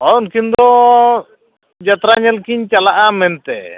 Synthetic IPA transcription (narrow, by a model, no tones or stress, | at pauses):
ɔnkind̪ɔ | d͡ʒat̪ɾaɲɛlkiɲt͡ʃalaʔamɛnt̪ɛ̰